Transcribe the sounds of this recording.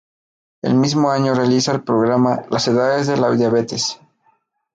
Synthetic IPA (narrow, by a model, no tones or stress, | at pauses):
e̞̰lmizmo̞aɲo̞realisaelpɾo̞ɣɾamalase̞ðaðe̞zðe̞lawðjaβet̪es